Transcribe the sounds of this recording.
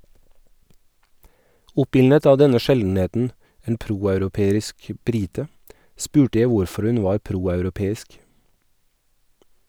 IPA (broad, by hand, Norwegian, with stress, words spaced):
ˈʊpɪlnət ˈɑː ˈdɛnə ˈʃɛln̩ˌeːtn̩ ˈeːn ˈpɾuːɑʉɾʊˌpeːɾɪsk ˈbɾɪtə ˈspʉːʈə ˈjæ ˈʋʊɾfɔɾ ˈʉn ˈʋɑːɾ ˈpɾuːɑʉɾʊˌpeːɪsk